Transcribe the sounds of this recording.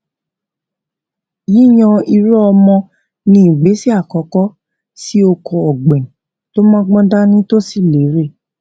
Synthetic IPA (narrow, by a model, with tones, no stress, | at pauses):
ji˦˨j̃ɔ̃˧i˧ɾu˦ɔ˧mɔ̃˧ | nĩ˧i˨ɡ͡be˨˦si˦a˦˨kɔ˨˧kɔ˦ | si˦o˧kʰɔ˧ɔ˨ɡ͡bɛ̃˨ | to˦mãː˦ɡ͡bɔ̃˦da˦nĩ˦to˦si˦˨le˨˦ɾe˦˨